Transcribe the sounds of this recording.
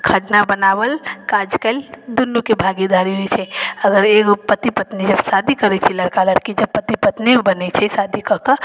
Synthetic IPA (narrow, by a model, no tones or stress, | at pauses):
kʰəʈnabənaʋəlkad͡ʒkeld̪unːukebʱaɡid̪aɾiɦojt͡ʃʰɛəɡəɾekpət̪ipət̪nid͡ʒəbsad̪ʱikəɾɛt͡ʃʰɛləɾkaləɾkid͡ʒɐb̚pːət̪ipət̪nibənɛt͡ʃʰɛsad̪ʱikəkə